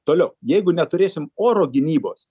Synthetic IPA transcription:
t̪oːlʲɛʊjɛɪɡʊnʲɛt̪ʊɾʲeːsʲɪmoːɾoːɡʲɪnʲiːboːs

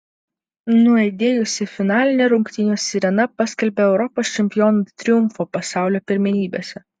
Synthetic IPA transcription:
nʊɐɪd̪ʲeːjʊsʲɪfʲɪnɑːlʲɪnʲeɾʊŋkt̪ʲɪnʲoːsʲɪɾʲɛnɐpɑsʲkʲɛlʲbʲeːɛʊɾɔpoːst͡ʃʲɛmʲpʲɪjɔnuːt̪ʲɾʲɪjʊmfoːpɐsɑˑʊlʲoːpʲɪɾʲmʲɪnʲiːbʲḛːsʲɛ

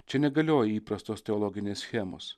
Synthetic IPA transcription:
t͡ʃʲɛnʲɛɡɐlʲoːjɛiːpɾɐst̪oːst̪ʲɛɔlˠɔːɡʲɪnʲeːsʲsʲxʲæːmo̰ːs

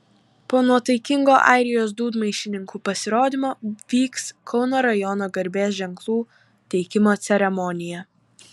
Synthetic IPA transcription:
poːnuɔt̪ɐɪkʲɪŋɡoːʔɑ̰ˑɪɾʲɪjoːs̬d̪uːd̪mɐɪʃʲɪnʲɪŋkuːpɐsʲɪɾoːd̪ʲɪmoːʋʲiːkskʰɒʊnoːɾɐjɔnoːɡɐɾʲbʲeːs̬ʒʲɛŋklˠuː | t̪ʲɛɪkʲɪmoːt̪sʲɛɾʲɛmɔnʲɪjɛ

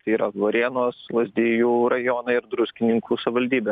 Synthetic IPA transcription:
t̪ɐɪiːɾɐʋoːɾʲiɛnoːslˠɐzʲd̪ʲiːjuːɾɐjoːnɐɪɾd̪ɾʊsʲkʲɪnʲɪŋkʰuːsɐbʲʋɐlʲd̪ʲiːbʲɛ

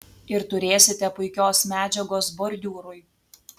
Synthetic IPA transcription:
ɪɾt̪ʊɾʲeːsʲɪt̪ʲɛpʊɪkʲoːsmʲæːd͡ʒʲɛɡoːsbɔɾʲd̪ʲuːɾʊj

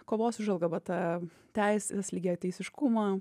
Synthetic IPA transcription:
koːʋoːsʊʒɐlˠɡɐʋɐt̪ɑ | t̪ʲɛɪsʲt̪ɐslʲiɡʲeːjotʲɛɪsʲɪʃkʊmɑː

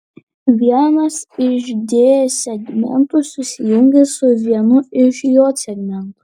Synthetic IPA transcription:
ʋʲiɛnɐsɪʃd̪ʲeːjsʲɛɡmʲɛ̰nt̪ʊsʊsʲɪjʊŋʲɡʲesʊʋʲiɛnʊɪʃjoːsʲɛɡmʲɛnt̪ʊ

